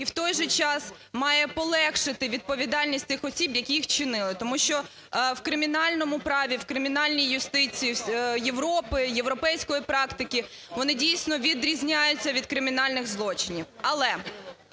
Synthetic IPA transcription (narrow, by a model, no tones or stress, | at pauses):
iwt̪ɔjʒɛt͡ʃɑs | mɑjɛpɔlˠɛkʃɪt̪ɪʋʲid̪̚pɔʋʲid̪ɑlʲnʲisʲtʲt̪ɪxɔsʲibjɐkʲijixt͡ʃɪnɪlˠɪt̪ɔmuʃt͡ʃɔ | wkɾɪmʲinɑlʲnɔmʊpɾɑʋʲiwkɾɪmʲinɑlʲnʲijjʊst̪ɪt͡sʲijijeʋɾɔpɪjeʋɾɔpɛjsʲkɔjipɾɑkt̪ɪkʲi | ʋɔnɪdʲijsʲnɔʋʲid̪ɾʲizʲnʲajʊt͡sʲːɐʋʲid̪kɾɪmʲinɑlʲnɪɣzlˠɔt͡ʃɪnʲiwɐlˠɛ